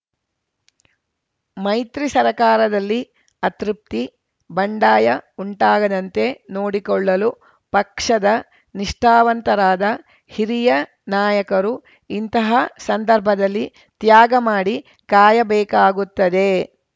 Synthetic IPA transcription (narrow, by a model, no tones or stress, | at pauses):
mɐjt̪ɾisɐɾɐkaːɾɐd̪ɐlːi | ɐt̪ɾip̚t̪i | bɐɳɖaːjɐuɳʈaːɡɐd̪ɐnt̪e̞no̞ːɽikɔɭːɐlu | pɐkʂɐd̪ɐ | niʂʈaːʋɐnt̪ɐɾaːd̪ɐ | hiɾijɐ | naːjɐkɐɾu | int̪ɐɦɐsɐnd̪ɐɾbʱɐd̪ɐlːi | t̪jaːɡɐmaːɽi | kaːjɐbɛːkaːɡut̪ːɐd̪e̞